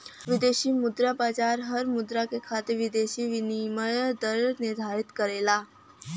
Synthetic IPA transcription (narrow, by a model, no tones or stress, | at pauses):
ʋid̪eɕiːmud̪ɾapat͡ɕaɾɦəɾmud̪ɾakekʰat̪iʋid̪eɕiːʋiniməɾd̪əɾniɾd̪ʱaɾit̪kəɾela